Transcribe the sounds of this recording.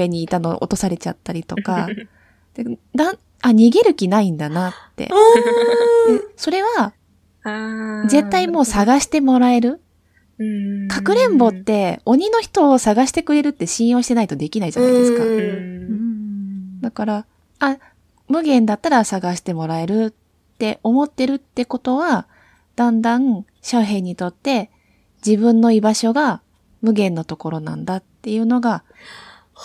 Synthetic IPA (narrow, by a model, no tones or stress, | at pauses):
e̞ɲ̟iːt̪ano̞̰ʔo̰t̪o̞saɾe̞t͡ɕa̰t̪ːaɾʲit̪o̞ka | d̪̥ed̪a | aɲ̟iɡe̞ɾɯ̟kʲinaĩnd̪anat̪ːe̞̰ | d̪eso̞ɾe̞βa | ze̞t̪ːaimo̞ːsaɡaɕi̥t̪e̞mo̞ɾae̞ɾɯ̟ | kʰakɯ̟ɾẽ̞mbo̞t̪ːe̞o̞ɲ̟ino̞çi̥t̪o̞ːsaɡaɕi̥t̪e̞kɯ̟ɾe̞ɾɯ̟t̪ːe̞ɕĩɰ̃jo̞ːɕi̥t̪e̞nait̪o̞d̪e̞kʲinaid͡ʑanaid̪esɨ̥ka | d̪akaɾa | a | mɯ̟ɡẽ̞nd̪at̪ːaɾasaɡaɕi̥t̪e̞mo̞ɾae̞ɾɯ̟ | t̪ːe̞ʔo̞mo̞t̪ːe̞ɾɯ̟t̪ːe̞ko̞t̪o̞βa | d̪̥ãnd̪ãŋɯ | ɕaɦẽ̞ɲ̟ːit̪o̞t̪ːe̞ | d͡ʑibɯ̟̃nːo̞ibaɕo̞ɡa | mɯ̟ɡẽ̞nːo̞t̪o̞ko̞ɾo̞nã̰nd̪at̪ːe̞jɯ̟ːno̞ɡa